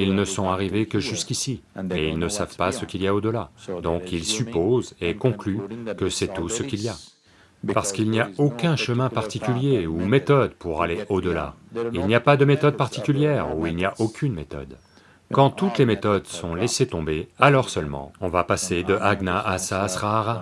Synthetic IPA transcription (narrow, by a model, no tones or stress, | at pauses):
ilnəsɔ̃aʁivekəʒyskʲisimɛilnəsavpasəkʲilijaod̪əlad̪ɔ̃kilsypozekɔ̃klykəsɛt̪usəkʲilja | paʁsə̥kilnijaokʲɛ̃ʃəmɛ̃paʁt̪ikʲyljeumet̪ɔd̪puʁaleʔod̪əla̰ | ilnijapad̪əmet̪ɔd̪̚paʁt̪ikʲyljɛʁuilnijaʔokʲʰynmet̪ɔ̰d̪ | kɑ̃t̪ut̪lemet̪ɔd̪sɔ̃leset̪ɔ̃bealɔʁsœlmɑ̰̃ɔ̃vapased̪əʔaɡnaʔasasχaʁa